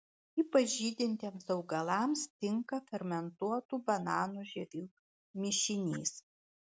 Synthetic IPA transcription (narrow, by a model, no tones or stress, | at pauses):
iːpɐʒʲiːd̪ʲɪnʲt̪ʲeːmsɐʊɡɐlˠɑˑmst̪ʲɪŋkɐfʲɛɾʲmʲɛnt̪uɔt̪uːbɐnɑːnuːʒʲɛɾʲuː | mʲɪʃʲɪnʲḭːs